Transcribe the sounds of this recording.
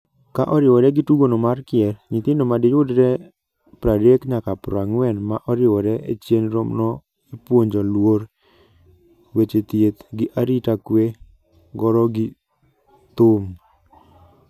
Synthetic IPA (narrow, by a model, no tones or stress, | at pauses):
kaʔɔɾɪwɔɾɛɡɪtuɡonomarkɪɛɾɲɪt̪ɪndomadɪjʊdɾɛ | pɾadekɲakapɾaŋwɛnmaʔɔɾɪwɔɾɛet͡ʃjenɾomnɔ | ipwoɲd͡ʒɔlwoɾ | wet͡ʃet̪jet̪ɡɪʔaɾitakwe | ɡɔɾɔɡɪ | t̪ʊm